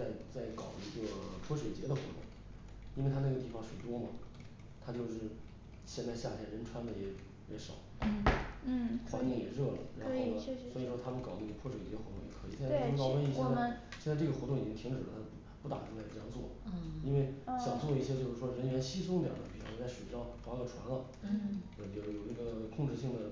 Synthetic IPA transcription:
a˥˩ɪt͡sa˥˩ɪkɑ̰˨˩ʊi˧˥ɡə˩pʰwɔ˥ɕwɛ˨˩t͡ɕjɛ̰˧˥d̪ə˧xwɔ̰˧˥t̪ʊ̰˥˩ŋ | i˥nwe˥˩ɪ˥na˥˩ɡə˩t̪i˥˩fɑ˧˥ŋʂwe˨˩ɪt̪wɔ˥mɐ˨ | t̪ʰa˥t͡ɕjo˥˧ʊʂɻ̩˥˩ | ɕjɛ˥˧nt͡sa˥˧ɪɕja˥˧t͡ɕʰjɛ˥˩ɻə˧˥nʈ͡ʂʰwa˥nlə˧˩jɛ˥ | jɛ̰˧˥ʂɑ̰˨˩˦ | xwa˧˥ni˥˩ŋjɛ̰˨˩ɻɤ˥˩lə̰˩ɻa˧˥˧xo˥˧swɔ˧˥i˨˩ʂwɔ˥t̪ʰa˥mə˨kɑ˨˩ʊnə˥˩ɡə˩pʰwɔ˥ʂwɛ˨˩t͡ɕjxwɔ˧˥ʊ˥˩ŋjɛ̰˨˩kʰɤ˧˥˨jɛ˥˧˥kɑ˥ʊwə˥ni˥˩ɕjɛ˥˧nt͡sa˧ | ɕjɛ˥˧nt͡sa˥˧ʈ͡ʂɤ˥˩ɡə˩xɔ˧˥ʊ˥˩ŋi˨˩t͡ɕi˥ŋt̪ʰi˧˥ŋʈ͡ʂɻ̩˨˩lə̰˦t̪ʰa˥˩ | pu˥˩t̪a̰˨˩˧ŋla˧˥ɪ˩ʈ͡ʂjɑ˥˧ŋt͡swɔ̰˥˩ | i˥nwe˥˩ɪɕjɑ˨˩ŋt͡swɔ˥˩i˥˩ɕjɛ˥t͡ɕjo˥˧ʊʂɻ̩˥˩ʂwɔ˥ɻə˧˥nɥɛ˧˥nɕi˥sʊ˥ŋljɑ̰˨˩ʂə˥˩pʰi˨˩ʈ͡ʂʰt͡sa˥˩ʂwe˨˩ɪʈ͡ʂ̪ɑ˥˩ʊfwa˧˥ɡə˨˩ʈ͡ʂʰwa̰˧˥nlə˨˥ | ə˥˩jo˧˩jo˨˩ʊi˧˥ɡə˧kʰʊ˥˧ŋʈ͡ʂɻ̩˥˧ɕi˥˩ŋd̪ə˩

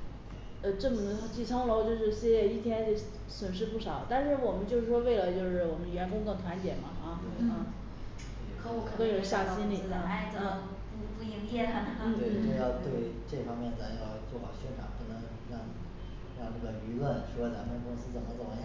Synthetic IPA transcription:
ə˧ʈ͡ʂɤ˥˩mə˩d̪ə˩˥t͡ɕi˥˩t͡sʰɑ˥ŋlo˧˥ʊt͡ɕjo˥˧ʊʂɻ̩˥˩ɕɛ˨˧˩i˥˩t̪ʰjɛ˥n˧˥ | swə˨˩nʂ̬ɻ̩˥˧pu˥˩ʂɑ˨˩˦ʊt̪a˥˧nʂɻ̩˥˩wɔ˨˩mə˦nt͡ɕjo˥˧ʊʂɻ̩˥˩ʂwɔ˥we˥˩ɪlə˩t͡ɕjo˥˧ʊʂɻ̩˥˩wɔ˨˩mə˦nɥɛ˧˥nkʊ˥ŋt̪ə˥˩t̪ʰwa˧˥nt͡ɕjɛ˨˩mɐ˦ɐ˥˧˩ | kʰo˥u˧˩kʰkə˥ə˨˩˥ɕja˥˩ɕi˥nli˨˩˥d̪ə˧a˧˥ɪt͡sə˧˥˩ | pu˧˥˩pu˥˩i˧˥˩ŋjɛ˥˩t̪ʰa˥mə˨˩nn̩˥˩˧ʈ͡ʂə˥˧jɑ˥˧ʊt̪we˥˧ɪ | ʈ͡ʂɤ˥˩fɑ˥ŋmjɛ˥˩nt͡sa˧˥jɑ˥˧ʊt͡swɔ˥˩xɑ˨˩ʊɕɥɛ˥nʈ͡ʂʰa̰˨˩npu˧˥nɤ˧˥ŋ | ɻɑ˥˩ŋ | ɻɑ˥˧ŋʈ͡ʂɤ˥˩ɡə˩y˧˥lwə˥˩nʂu˥˧˩t͡sa˧˥mə˨˩˨kʊ˥ŋsɹ̩˥t͡sə˨˩nmə˦t͡sə˨˩mə˦jɑ˥˩

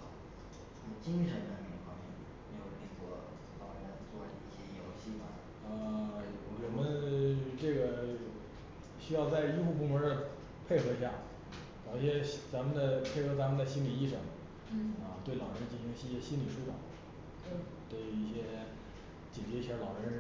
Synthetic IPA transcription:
a˧˥mə˧˩t͡ɕi˥ŋʂə˧˥nd̪ə˧ne˧˥˩ʈ͡ʂʊ˧˥ŋfɑ˧˥ŋmjɛ˥˩m˧˥jo˨˩ʊ˧˥nə˥˩t͡swɔ̰˥˩˧ | t̪ɑ˥˩ʊɻə˧˥nə˥˩˧t͡swɔ˥˩ḭ˨˩i˥˩ɕjɛ˥˧jo˧˥ʊɕi˥ma̰˨˩ | ə˧˥˩ | wɔ˨˩mə˦nʈ͡ʂɤ˥˩ɡə˩ | ɕy˥jɑ˥˧ʊt͡sa˥˧ɪi˥xu˥˧pu˥˩mə˧˥d̪ə˧ | pʰe˥˧ɪxɤ˧˥ɕja˥˩ | kɑ˨˩ʊɕjɛ˥t͡sa˧˥mə˨˧d̪ə˨pʰe˥˩ɪxɤ˧˥t͡sa˧˥mə˨nd̪ə˧˩ɕi˥nli˨˩i˥˩ʂə˧˥˩ŋ | ə˧˩t̪we˥˩ɪlɑ˨˩ʊɻə˧˥nt͡ɕi˥˩˧ɕi˧˥ŋ˧i˥˧ɕjɛ˥ɕi˥nli˨˩ʂu˥t̪ɑ˨˩˦ | t̪we˥˩ɪi˥˩ɕjɛ˥ | t͡ɕɛ˨˩t͡ɕɛ˧˥i˥˩jɛ˥lɑ˨˩ʊɻə˧˥

